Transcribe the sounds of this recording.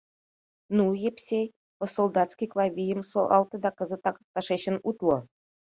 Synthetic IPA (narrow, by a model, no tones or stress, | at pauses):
nujepʲsʲe | pŏsolˠd̪ɑt̪skʲijklˠɑvʲijə̆msoʔɑlˠt̪ɤ̆d̪ɑkɤ̆zə̆t̪ɑkk̚t̪ɑʂeɕə̆nut̪lˠŏ